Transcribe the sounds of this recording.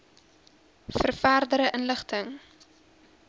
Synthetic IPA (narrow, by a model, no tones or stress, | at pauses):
fərfæːrdəɾəʔənləχtʰəŋ